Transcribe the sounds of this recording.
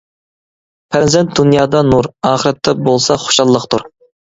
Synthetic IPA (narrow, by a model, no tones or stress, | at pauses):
pʰɾzɛnt̪̚d̪unjɑːd̪ɑnuɾɑːχəɾɛt̪ʰːɛbolˠsɑχo̥ʃɑlˠːəqt̪ʰuɾ